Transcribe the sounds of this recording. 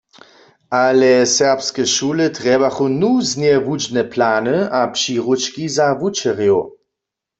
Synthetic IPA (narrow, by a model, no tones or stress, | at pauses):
alɛsɛʁpskɛʃuːlət̪ʁɛbaχunuznjɛvud͡ʒnɛpʰlaːnɨapʃiːʁut͡ʃkizavut͡ʃɛʁjo